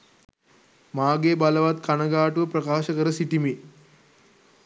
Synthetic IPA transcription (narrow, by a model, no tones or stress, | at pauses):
maːɡeːbaləʋat̪kanəɡaːʈuʋəpɾəkaːʃəkəɾəsiʈimi